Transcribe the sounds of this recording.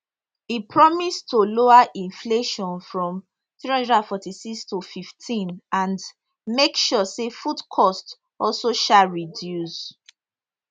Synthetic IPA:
ipʰɹɔmistoloaʔĩnfleʃɔ̃nfɹɔ̃m | θɹihɔ̃ndɹadãnfɔtisikstufiftʰĩnãnd | mekʃusefudkʰɔst | ɔlsoʃaɹidjus

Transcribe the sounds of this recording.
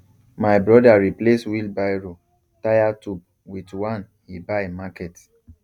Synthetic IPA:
majbɹɔdaɹipleswilbajɹo | tajatup̚ | witwãn | hibamakɛt

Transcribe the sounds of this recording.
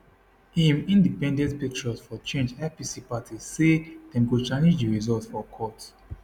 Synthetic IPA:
ĩmĩndipɛ̃ndɛ̃ntpik̚t͡ʃɔsfɔt͡ʃẽnd͡ʒapisipatʰised̥ɛ̃mɡut͡ʃanĩnd͡ʒdiɹizɔtfɔkʰɔt

